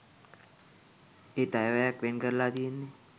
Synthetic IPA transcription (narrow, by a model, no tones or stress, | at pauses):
eːt̪ajʋajakʋenkəɾlaːd̪ijenːe